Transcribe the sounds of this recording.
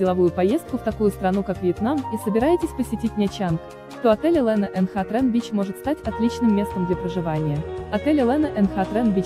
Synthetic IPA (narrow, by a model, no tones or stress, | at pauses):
dʲɪlˠɐvujʊpɐje̞st̪̚kʊft̪ɐkujʊst̪ɾɐnukakvʲɪɪt̪namisəbʲɪɾajɪtʲɪsʲpəsʲɪtʲitʲnʲat͡ɕank | ʂt̪o̞ɐt̪ɛlʲəlˠɛnəʔɛnxat̪ɾɛnvʲit͡ɕmo̞ʐɨt̪st̪atʲɐt̪lʲit͡ɕnɨmʲːe̞st̪əmd̪lʲapɾəʐɨvanʲɪjəɐt̪ɛlʲəlˠɛnəʔɛnxat̪ɾɛnvʲit͡ɕ